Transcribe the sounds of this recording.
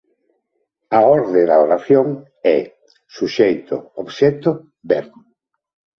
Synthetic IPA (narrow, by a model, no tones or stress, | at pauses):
aoɾðeðaoɾaθjoŋ | ɛ | suʃejt̪ʊoβʃɛt̪ʊ | bɛɾ